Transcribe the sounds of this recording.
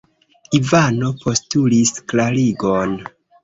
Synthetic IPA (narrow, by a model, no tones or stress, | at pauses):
ivano̞pʰo̞stulisklaliɡo̞n